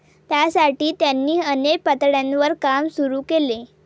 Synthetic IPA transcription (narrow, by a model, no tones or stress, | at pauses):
t̪jasaʈiːt̪janːiːənepət̪ɽjãnʋəɾkamsuɾuːkele